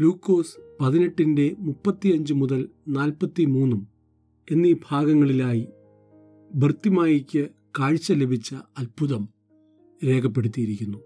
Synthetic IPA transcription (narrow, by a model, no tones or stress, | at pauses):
luːkːo̞ːspɐðine̞ʈːinde̞mupːɐt̪ːijɐɲd͡ʑɨmuðɐlnaːlpɐt̪ːimuːnːum | e̞nːiːbʱaːɡɐŋːɐɭilaːji | bʱɨrt̪imaːjikʲːɨ | kaːɻt͡ɕːɐlebʱit͡ɕːɐɐlbʱuðɐm | ɾe̞ːkʰɐpːe̞ɽut̪̬ːijiɾikʲːunːu